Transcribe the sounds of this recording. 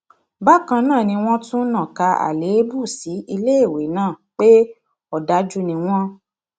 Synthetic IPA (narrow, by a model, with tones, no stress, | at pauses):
ba˦˨kã˧nãː˦˨nĩ˧w̃ɔ̃˦tũ˦nã˦˨ka˧a̰˨le˨˦bu˦˨si˨˦i˧le˦e˦˨we˨˦nãː˦˨k͡pe˦ | ɔ˦˨da˨˦d͡ʒu˦nĩ˧w̃ɔ̃˦